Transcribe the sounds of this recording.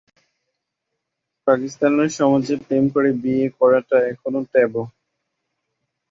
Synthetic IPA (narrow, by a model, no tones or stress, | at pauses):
pakist̪aneɾʃɔmad͡ʑepemkoɾebiekɔɾaʈaɛkʰonot̪ɛbo